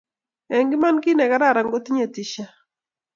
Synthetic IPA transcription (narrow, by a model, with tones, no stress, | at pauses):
ɛ˨ŋɡɪ˦ma˦nki˦nɛ˨ɡa˦ɾa˦ɾa˨ŋɡo˦t̪ɲe˨ti˨ʃa˦